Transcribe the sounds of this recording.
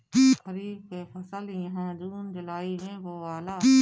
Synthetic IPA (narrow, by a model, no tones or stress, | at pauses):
kiːxəɾiːb̚kepʰɐsəlĩɦɛ̃d͡ʒuːnd͡ʒʊlaːimẽʋoʋaːlaːiː